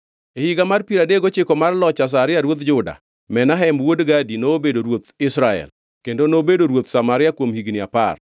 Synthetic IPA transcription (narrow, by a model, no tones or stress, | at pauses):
ehiɡamarpiɾadeɡot͡ʃɪkɔmarlɔt͡ʃas̬aɾɪjaɾwot̪d͡ʒʊda̰ | mɛnaɦɛmwodɡadinoːbedoɾwot̪ɪsɾaɛ̰l | kendonobedoɾwot̪samaɾɪjakwomhiɡnɪapa̰r